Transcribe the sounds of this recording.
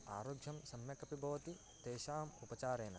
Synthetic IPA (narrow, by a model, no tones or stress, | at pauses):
a̰ːɾoːɡʱjɐmsɐmjɐkɐpibʱɐʋɐt̪i | t̪eːʃaːmupɐt͡ʃaːɾeːnɐ̰